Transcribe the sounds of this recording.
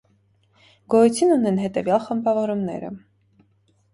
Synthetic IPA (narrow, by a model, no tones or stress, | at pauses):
ɡ̥ɔjut͡sʰinunɛnɦɛt̪ɛvjɑlχəmbɑvɔɾumnɛ̰ɾə̰